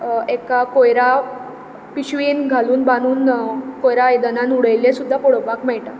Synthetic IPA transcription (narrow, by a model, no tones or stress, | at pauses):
ekakojɾa | piɕʋinɡʱaluːnbañuːnkojɾajd̪ənãnuɽəjlẽsud̪ʱːapɔɽʋakmɛjʈa